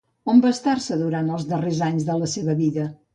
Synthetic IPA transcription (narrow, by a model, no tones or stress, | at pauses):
ombaəst̪aɾsəðuɾant̪əlˠzðərezaɲzðələseβəβiðə